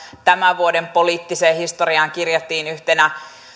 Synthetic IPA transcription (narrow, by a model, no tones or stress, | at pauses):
t̪æmæʋuodempoliːt̪ːiseːhist̪oriɑːŋkirjet̪ːiːnyht̪enæ